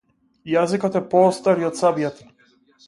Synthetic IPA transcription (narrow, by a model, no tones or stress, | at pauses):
jazikɔt̪ɛpɔːst̪aɾiɔt̪sabijat̪